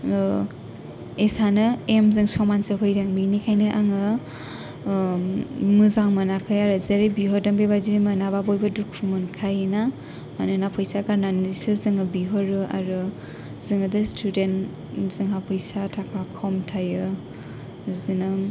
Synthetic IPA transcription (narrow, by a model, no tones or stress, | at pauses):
esanɯemzɯŋsɔmansɯɦɯjɾaŋbinikʰajnɯʔaŋɯ | mɯzaŋmɯnakʰajaɾɯzeɾebiɦɔɾdaŋbebadimanababojbɯdukʰɾumɯnkʰajna | manɯnapʰɯjsaɡaɾnanisɯzɯŋɯbiɦɔɾɯa̰ɾɯ | zɯŋɯdɯstʰuden | zɯŋɦapʰɯjsatʰakʰakʰawmtʰajɯ | zinɯŋ